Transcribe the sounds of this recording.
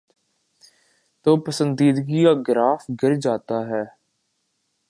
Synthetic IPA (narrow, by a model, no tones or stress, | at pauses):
t̪oːpəsənd̪iːd̪ɡiːaːɡɪɾaːfɡɪɾd͡ʒaːt̪aːɦɛː